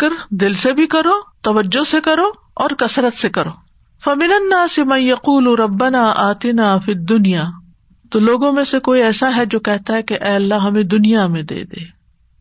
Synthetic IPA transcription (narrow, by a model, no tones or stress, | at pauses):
kəɾd̪ɪlsebʱikɐɾoːt̪ɐʋəd͡ʒːosekɐɾoː | ɔːɾkɐsɾət̪sekɐɾoː | fɐmɪnɐnːaːsɪmɐnjɐquːlɾɐbːɐnaːʔaːt̪ɪnaːfid̪ːʊnijaː | t̪oloːɡõmẽsekoːiɛːsaɦɛd͡ʒoːkɛɦt̪aɦɛkeʔɛːɐlːaɦɐmẽd̪ʊnijamẽd̪ḛːd̪ḛː